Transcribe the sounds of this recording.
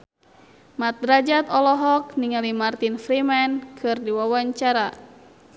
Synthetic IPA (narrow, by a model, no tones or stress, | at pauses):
mat̪̚ɾad͡ʒat̪ɔlɔɦɔk̚niŋalimart̪infɾimankʰɨrdiwawaɲt͡ʃaɾa